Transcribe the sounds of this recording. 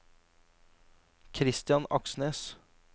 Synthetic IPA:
kʰɾɪst̪ɪjɑnɑksneːs

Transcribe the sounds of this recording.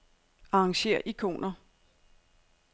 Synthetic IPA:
ɑ̈ɑŋɕe̝̰ɐ̰ʔikʰo̝̰ːnɐ

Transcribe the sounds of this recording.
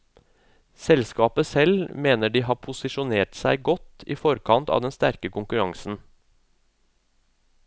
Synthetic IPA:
sɛlskɑːpəsɛlmeːnəɖiːɦɑːpʰʊsɪʃʊneːʈsæɪɡɔt̪iːfɔɾkʰɑnt̪ɑ̰ːʋd̪ɛnst̪æɾkəkʊŋkʉɾɑŋsn̩

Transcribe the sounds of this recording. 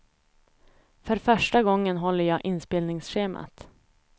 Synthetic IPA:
fœɾfœʂʈaɡɔŋːənɦɔlːəɾjɑːʔɪnspeːlnɪŋsɧeːma̰t̪

